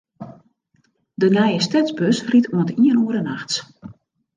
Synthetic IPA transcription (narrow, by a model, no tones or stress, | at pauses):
dənɛjəstɛzbøsritʰwəntiənuəɾənaxs